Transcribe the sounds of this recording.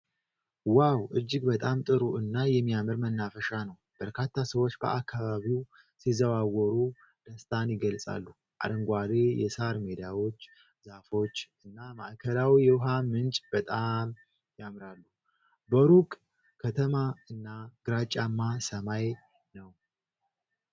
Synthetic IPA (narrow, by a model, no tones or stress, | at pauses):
wawʔɨd͡ʒːɪɡbət̪ʼamt̪ʼɨɾuɨnːajɛmːijamɨɾmənːafəʃanəw | b̥əɾkʰat̪ʰːasəwo̞t͡ʃːbə̰ʔakʰːaβaβiw | sizəβawɔɾu | d̪̥əst̪ʼʰanjɪɡəlsʼa̰lːu | ʔa̰d̪əŋɡʷad̪ejɛ̰saɾmed̪ijawo̞t͡ʃː | zafo̞t͡ʃːɨnːamaʔkʰəlawijɛwʊɦamɨnt͡ʃʼb̥ət̪ʼam | jamɾalːu | bəɾukʼ | kʰət̪ʰəmaɨnːaɡ̥ɨɾat͡ʃʼːamːasəmaj | nəw